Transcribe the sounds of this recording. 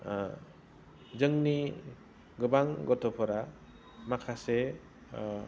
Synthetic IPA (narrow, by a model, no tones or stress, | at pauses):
zɯŋni | ɡɯbaŋɡɔtʰɔpʰɔɾa | makʰase